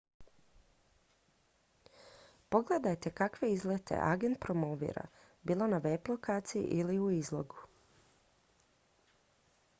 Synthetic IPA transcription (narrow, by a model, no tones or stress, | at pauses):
po̞ɡle̞d̪ajt̪e̞kakʋe̞izlet̪ʰḛʔa̰ɡe̞nt̪̚pɾo̞moʋḭːɾa̰ | biːlˠo̞naʋeːplˠo̞kaːt̪sijḭʔiliuizlˠo̞ɡu